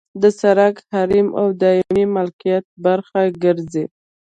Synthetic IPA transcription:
d̪əsaɾaɡhaɾima̰wd̪ɑɪmimalkijat̪̚baɾxaɡəɾze

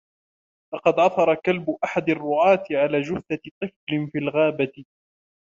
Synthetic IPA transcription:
lɑqɑd̪ʕɑθˤɑɾˤɑkalbʊʔaħad̪ɑrˤːʊʕɑːt̪ɪʕalaːd͡ʒʊθθat̪ˤɨflɪnfiːlɣaːbat̪ɪ

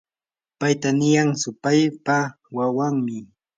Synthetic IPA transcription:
pajt̪anɪjaŋsʊpajpa | wawaŋmɪ

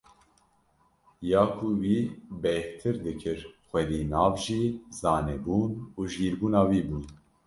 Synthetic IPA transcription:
jɑːkʰuwiːbɛht̪ʰɨɾd̪ɨkʰɨɾxwɛd̪iːnɑːvʒiːzɑːnɛbuːnuːʒɡiːɾbuːnɑːwiːbuːn

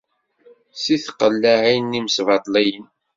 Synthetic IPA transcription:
siθqəlːaʕinːimsvɑt̪ˤlijən

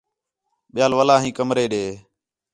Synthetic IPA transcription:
ɓɪjaːlʋəlaːɦĩːkəmɾeːɗeː

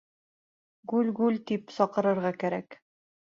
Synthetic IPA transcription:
ɡʉlɡʉlt̪ipsɒqɤ̆ɾɤ̆ɾʁɑkæɾæk

